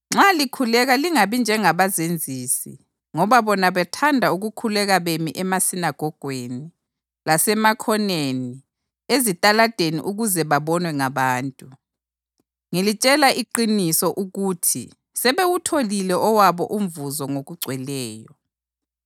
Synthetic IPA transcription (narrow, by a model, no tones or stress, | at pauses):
ŋ͡ǁalikʰulɛɣaliŋaβind͡ʒʱɛŋaβazend͡zʱiːsḭ | ŋɔβaβɔnaβɛtʰandʱauɣukʰulɛɣaβemiʔɛmasinaɡ̥ʱɔɡ̥ʱweni | lasɛmakʰɔneni | ezitʼalad̥ʱenḭʔuɣuzɛβaβɔnwɛŋaβaːntʼu | ŋilit͡ʃʼɛlaʔiǃinisɔʔuɣutʰḭ | sɛβewutʰolilɛʔɔwaβɔʔum̩vuzɔŋoɣuɡ͡ǀʱwɛlɛːjɔ